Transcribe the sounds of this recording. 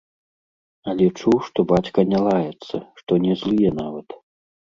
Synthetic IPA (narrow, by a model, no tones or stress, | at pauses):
ɐlʲɛt͡ʂuwʂt̪ɔbat͡ɕʲkɐnʲalˠajɛt̪sːɐʂt̪ɔnʲɛzlˠɨjɛnavɐt̪